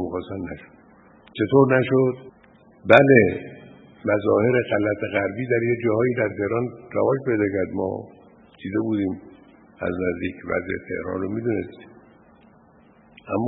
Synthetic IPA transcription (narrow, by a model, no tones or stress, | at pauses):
mixɒːsænnæʃo̥d̪̥ | t͡ʃʰe̞t̪ʰoɾnæʃod̪ | bæle̞ | mæzɒːhe̞ɾe̞ɣælæt̪ʰeɣæɾbiːd̪æɾjed͡ʒɒːhɒːiːd̪æɾt̪ʰe̞hɾɒːnræ̰vɒːʃpe̞jd̪ɒːkæɾd̪mɒ̰ː | d̪̥iːd̪e̞buːd̪iːm | æ̰znæzd̪iːcʰvæ̰zʔḛt̪ʰe̞̰hɾɒ̰ːnromid̪une̞̰st̪i̥ːm | ʔæmː